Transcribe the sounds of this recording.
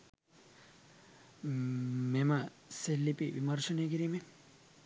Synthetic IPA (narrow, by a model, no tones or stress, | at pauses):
mema | selːipiʋimɐɾsuneɡiɾime